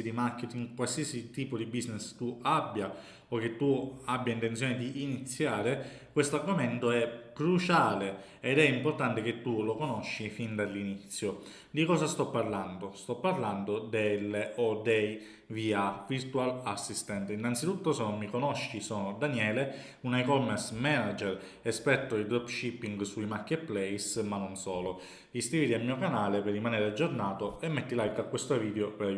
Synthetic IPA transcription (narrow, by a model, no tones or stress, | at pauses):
id̪imark̟ːet̪iŋkwalsiasit̪iːpod̪ibiznest̪ːuabːja | ok̟ːet̪ːuabːjaint̪ensjoːned̪iːnit̪sːjaːɾekwest̪oarɡoment̪oɛkɾut͡ʃaːle | ed̪ɛimport̪ant̪ek̟et̪ːulokonoʃːifind̪alːinit̪sːjo | d̪ikɔːsast̪ɔpːarland̪ost̪ɔpːarland̪od̪elːeod̪ej | viaviɾt̪ualasːist̪ɛnt̪einːant̪sit̪ut̪ːosenomːikonoʃːisoːnod̪anjɛːle | unajkɔmɛɾsmɛnad͡ʒɛɾ | espɛt̪ːoid̪ɾɔpʃipːiŋɡsuimarkːet̪̚plɛjsmanːonsɔːlo | isk̪ɾivit̪ialmːiːokanaːleperːimaneːɾead͡ʒːornaːt̪oemːet̪ːilajkakːwest̪oviːd̪eopeɾ